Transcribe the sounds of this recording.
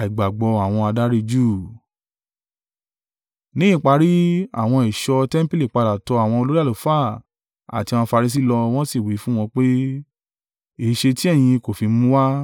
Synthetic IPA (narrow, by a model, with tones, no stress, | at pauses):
i˨ɡ͡ba˨ɡ͡bɔ˧a˨w̃ɔ̃˧a˧da˦ɾi˧d͡ʒuː˦˨ | nĩ˨˦ĩ˦˨k͡pa˧ɾi˦a̰˦˨w̃ɔ̃˧i˨ʃɔ˧tɛ˦m̩˦pi˦li˦˨k͡pa˧da˨tɔ˧a˨w̃ɔ̃˧o˧lo˦ɾi˦a˦˨lo˨˦fa˦˨ | a̰˨ti˧ã˨˧ɔ̃˧fa˧ɾi˧s̬i˦˨lɔ˧w̃ɔ̃˦si˦˨wi˨˦fũ˦w̃ɔ̃˧k͡pe˦ | e˦˨ʃe˧ti˦ɛ˦˨j̃ĩ˧ko˨fi˧mũ˦wa˦